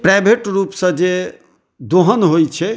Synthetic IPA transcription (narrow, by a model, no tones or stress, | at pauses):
pɾajbʱeʈɾupsə̃d͡ʒe | d̪oɦənɦojt͡ʃʰɛ